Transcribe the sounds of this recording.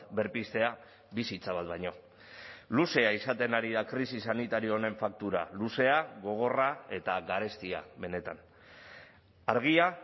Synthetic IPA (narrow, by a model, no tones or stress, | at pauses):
be̞ɾpist̪e̞a | βisit͡saβ̞at̪bajɲo̞ | luse̞aisat̪e̞naɾiðakɾisisanit̪aɾio̞ːne̞ɱfak̚t̪uɾa̰luse̞aɣo̞ɣ̞o̞rae̞t̪aɣaɾe̞st̪ia̰βe̞ne̞t̪an | aɾɣ̞ia